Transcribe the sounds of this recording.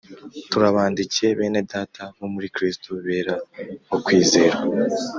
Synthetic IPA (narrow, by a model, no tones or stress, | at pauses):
tuɾaβaːndice̞βe̞ːnedaːtʰaβomuɾikɾistuβe̞ːɾaβokwiːze̞ːɾa